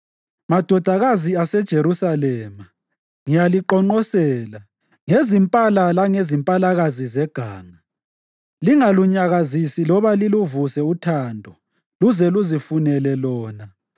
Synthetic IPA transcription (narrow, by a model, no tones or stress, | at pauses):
mad̥ʱɔd̥ʱaɣaziasɛd̥ʒ̥ʱeɾusalɛma | ŋijaliǃɔŋ͡ǃɔsɛla | ŋezimpʼalalaŋezimpʼalaɣazizɛɡ̥ʱaːŋa | liŋaluɲaɣazisilɔβaliluvusɛutʰandʱɔ | luzɛluzifunɛlɛlɔːna